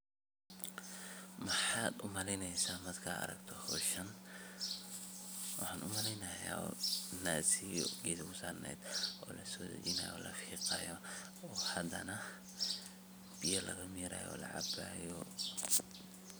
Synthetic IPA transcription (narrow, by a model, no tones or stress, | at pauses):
mɐħɑːd̪ʊmɐlɛjnɛjsaːmɐd̪kʰaːɐ̰ɾɐɡt̪ʰɔhɔːʃɐn | wɑħɑːnʔʊmɐlɛjnɐja̰ːɔnaːsiɔɡɛːskʰʊsaːrnɛ̰ːd̪ɔːlɐsɔːd̪ɐ̰t͡ʃɪnɐ̰ːjɔːlɐfiːqɑjɔ | ɔːhɐd̪ɐnɐ | b̥ijɐlʔɐɣɐmiːɾɐ̰ːjɔ̰ːlɐ̰ʕɑ̰baːjɔ